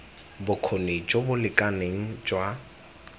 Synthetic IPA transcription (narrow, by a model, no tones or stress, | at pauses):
bʊkʰoned͡ʒobʊlɪkʼaneŋ̩d͡ʒwa